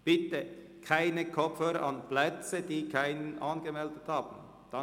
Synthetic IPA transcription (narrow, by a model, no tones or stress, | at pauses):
b̥ɪt̪ə | kʰaɪnəkʰɔpfhøːɾɐʔɑnplɛt͡səd̥iːkʰaɪnənʔɑnɡəmɛldəthɑːb̥n̩ | d̥ɑ